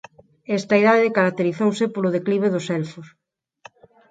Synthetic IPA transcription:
ɛst̪ɐiðaðɪkaɾak̚t̪eɾiθowsɪpolʊðekliβ̞eðʊsɛlfʊs

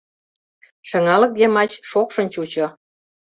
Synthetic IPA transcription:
ʃə̆ŋɑlɤ̆k̚d̪emɑt͡ɕʃokʃə̆nt͡ɕut͡ɕo

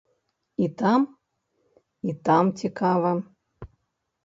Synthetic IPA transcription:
it̪am | it̪amt͡sʲikavɐ

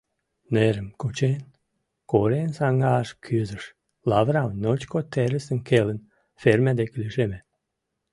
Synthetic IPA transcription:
neɾəmkut͡ɕen | koɾensɑŋɡɑʃkʰyzəʃ | lɑvɾɑwnʲnot͡ɕkot̪eɾəsənkelən | fermæd̪eklʲiʒeme

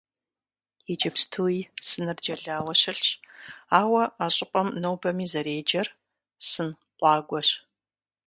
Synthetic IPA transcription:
ɛd͡ʒɐpstʰuːisɨnɨrd͡ʒɐɮaːwɐɕɪɬɕaːwɐaɕʼɪpʼɐmnɐwbɐmiːzɐɾeːd͡ʒɐr | sɨn | qʷɑːɡʷɔɕ

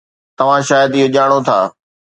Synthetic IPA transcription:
t̪ɐʋ̤ãʃaːjəd̪ɪɦoʄaːɽ̃ot̪ʰa̰ː

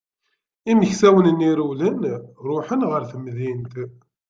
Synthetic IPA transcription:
iməçsæwənniɾulənɾˤoħənʁəɾθəmðint̪

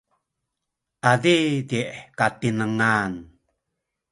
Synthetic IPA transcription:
ʔadidiʔkat̪inəŋan

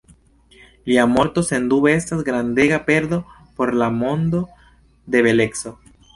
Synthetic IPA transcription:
liamo̞ɾt̪o̞se̞nd̪uβeestasɡɾand̪e̞ɡape̞ɾd̪o̞ | po̞ɾlamo̞nd̪o̞ | d̪e̞βe̞le̞kso̞

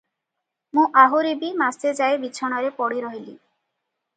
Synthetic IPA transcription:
mũʔaɦuɾibimast̪ed͡ʒaebit͡ɕʰɔɽ̃ɔɾepɔɽiɾɔɦili

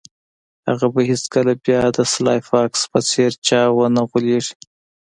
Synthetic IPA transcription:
haɣabaɦiskəlabjɑd̪əslɑjfɑkspət͡seɾt͡ʃɑwənaɣuleʐi̥

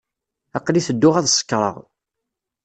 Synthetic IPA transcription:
ɑqːliθəd̪ːʊʁæðsə̥kːɾˤə̰ʁ

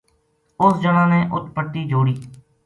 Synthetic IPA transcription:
ʊsd͡ʒəɽãːneːʔʊt̪pəʈːiːd͡ʒoːɽiː

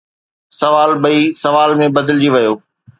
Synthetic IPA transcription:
sɐʋaːlbɐisɐʋaːlmẽbɐd̪ɪld͡ʑiʋɐjoː

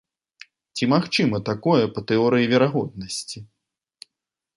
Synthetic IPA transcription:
t͡sʲimaxt͡ʂɨmɐt̪akɔjɛpɐt̪ɨɔɾɨjivʲɛɾaɣɔd̪̚nɐsʲt͡sʲi

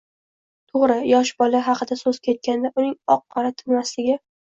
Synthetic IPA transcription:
t̪ʰoʁɾɪjɒʃbɒlaɦɑqʰɨd̪asɵz̥kʲʰe̞t̪̚kʲand̪aʔʊnɪŋɒqːɑɾat̪ʰɪnmaslɪɡʲɪ

